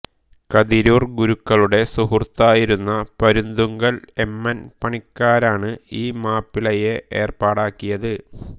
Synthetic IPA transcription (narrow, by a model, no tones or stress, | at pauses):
kɐðiɾuːrɡuɾukːɐɭuɽe̞suhurt̪ːaːjiɾunːɐpɐɾund̪uŋɡɐɭe̞mːɐnpɐɳikːaːɾaːɳɨiːmaːpːiɭɐjeʔe̞̰ːrpaːɽaːkːijɐðɨ